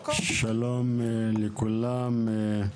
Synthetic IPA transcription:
ʃalomelikulame

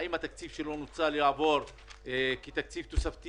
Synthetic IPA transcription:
imat̪akt͡sivʃelonot͡saljʕavo̞ɾ | kit̪akt͡sivt̪osaft̪

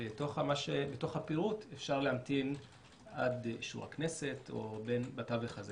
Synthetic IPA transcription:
etoχamaʃebeto̞χhapiʁutʰefʃaʁlehamtin | ad̪ʃṵʁa̰kne̞se̞to̞̰be̞nbataveχaze

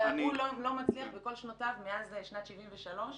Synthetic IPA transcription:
amulolomat͡sliaχbeko̞lʃnotavmeazeʃnat̪ʃivimveʃalo̞ʃ

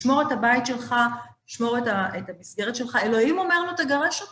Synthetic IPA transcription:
ʃmo̞ʁetabajitʃe̞lχa | ʃmo̞ʁetaethamisɡe̞ʁet̪ʃe̞lχae̞lo̞imomeʁnut̪aɡaʁeʃot

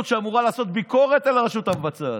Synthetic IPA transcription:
t̪ʃeamuʁalaːso̞t̪̚biko̞ʁet̪elaʁeʃut̪avbat͡sa

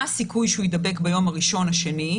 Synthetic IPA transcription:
asikujʃeujed̪ɐbe̞kbajo̞maʁiʃo̞nhaʃeni

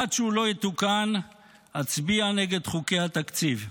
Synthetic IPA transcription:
adʃeulo̞jet̪ukan | hat͡sbianeɡe̞d̪χuke̞hat̪akt͡siv

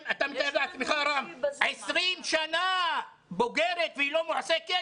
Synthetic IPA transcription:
at̪amt̪aedat̪miχaɾamesʁimʃana | bo̞ɡeɾet̪vehilo̞moʕaseke

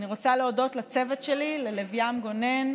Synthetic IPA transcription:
niʁo̞t͡saleodo̞tlat͡sevetʃelilelevjamɡo̞ne̞n

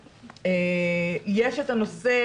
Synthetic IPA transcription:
ejeʃet̪ano̞se

